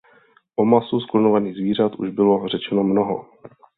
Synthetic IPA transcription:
ʔomasusklonovaniːɣzviːr̝at̪ʔuʒbɪlo̞r̝ɛt͡ʃɛnomnoɦo̰

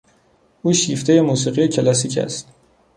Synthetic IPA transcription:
ʔuːʃiːft̪ʰe̞je̞muːs̬iːɣijecʰelæsiːcʰæ̰st̪

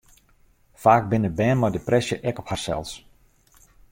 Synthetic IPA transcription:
faːk̚bɪnəbɛːnmɔjdəprɛsjəʔɛkɔpharsɛ̰lˠs

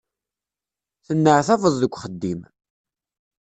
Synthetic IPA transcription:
θənːəʕθɑvəðˤðəkʷːχəd̪ːim

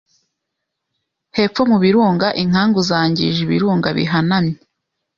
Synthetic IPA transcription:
he̞ːp͡ffo̞muβiɾuːŋɡaʔiŋ̥haːŋɡuzaːɲɟḭʒiβḭɾuːŋɡaβḭɦanamɲe

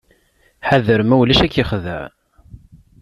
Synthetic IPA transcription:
ħaðəɾmæwlæʃækːiχðæ̰ʕ

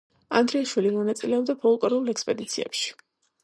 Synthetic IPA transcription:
a̰nd̪ɾiaʃwilimɔnat̪sʼilɛɔbd̪apʰɔlˠkʼɔɾulˠɛkspʼɛd̪it̪sʰiɛ̰pʃi̥

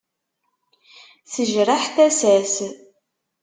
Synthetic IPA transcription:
θəʒɾəħθæsæs

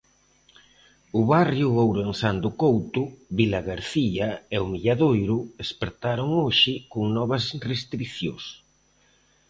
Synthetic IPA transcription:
ʊβarjʊowɾensand̪ʊkowt̪ʊβilaɣaɾθiaɛomiʎaðojɾʊespeɾt̪aɾʊŋoʃɪkʊŋnɔβɐsrest̪ɾiθjo̰s

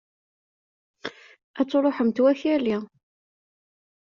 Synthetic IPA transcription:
æt͡sːoɾˤoħəmt̪wæçæli

